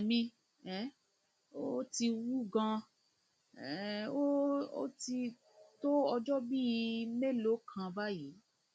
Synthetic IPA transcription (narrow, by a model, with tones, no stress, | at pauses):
mĩ˦ | ɛ˨˦ | o˦ti˧wu˦ɡã˧˨ | o˦o̰˦ti˧ | to˦ɔ˧d͡ʒɔ˦bi˦˧me˦lo˨˦kʰã˧ba˦ji˨˦